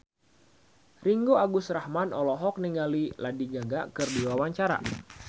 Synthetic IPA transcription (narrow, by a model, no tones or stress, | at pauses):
riŋɡoaɡusɾahmanɔlɔɦɔk̚niŋɡaliladiɡaɡakɨrdiwawaɲt͡ʃaɾa̰